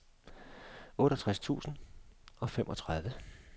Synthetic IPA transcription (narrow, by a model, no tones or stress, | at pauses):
ɔ̽ːɾəɒt͡sʰʁast͡sʰṵːsn̩ɒ̽femʔɒ̽t͡sʰʁaðˠʋə